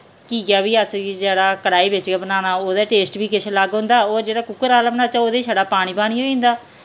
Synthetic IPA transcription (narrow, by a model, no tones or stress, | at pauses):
kiːɡaːbiːəsid͡ʒeːɽaːkəɽaːiːbɪt͡ʃebənaːnaːoːd̪aːʈeːsʈbiːkɪʃʰləɡɦʊ̃nd̪aːoːɾd͡ʒeːɽaːkʊkːəɾaːləmnaːt͡ʃaoːd̪eːsʰaɽaːpaːɽ̃iːbaːɽ̃iːoːĩːnd̪aː